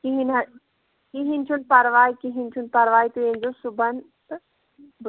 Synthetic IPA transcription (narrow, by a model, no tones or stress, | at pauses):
kiɦinɐ | kiɦint͡ʃʰunpɐɾʋaːikiɦint͡ʃʰunpɐɾʋaːit̪uẽːnd͡ʑosʊbɐn | t̪ | b